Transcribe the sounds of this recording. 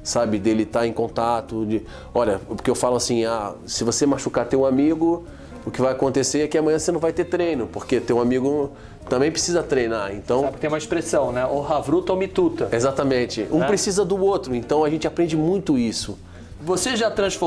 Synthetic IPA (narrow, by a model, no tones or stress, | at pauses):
sabɪd̪elɪt̪aẽj̃kõnt̪at̪ʊd͡ʒɪ | ɔʎɐpʊɾkeewfalʊasĩasɪvosemaʃukat̪ewũamiɡʊ | ʊkɪvajakõnt̪eseɾɛkɪɐmɐ̃j̃ɐ̃senɐ̃w̃vajt̪et̪ɾẽjnʊpoɾket̪ew̃amiɡʊ | t̪ɐ̃bẽj̃pɾesizɐt̪ɾejnaɾẽnt̪ɐ̃w̃pk̪ẽj̃ũmɐiʃpɾesɐ̃w̃nɛʔoɦavɾut̪ɐomit̪ut̪ɐezat̪ɐmẽt͡ʃɪʔũpɾesizɐd̪ʊot̪ɾʊẽnt̪ɐ̃w̃aʒẽnt͡ʃɪapɾẽnd͡ʒɪmũj̃t̪ʊisʊ | voseʒat̪ɾɐ̃sfo